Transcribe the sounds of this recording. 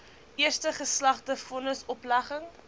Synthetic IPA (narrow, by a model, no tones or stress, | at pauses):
ʔiərstəχəslɐχdəfɔnəsɔplɐχəŋ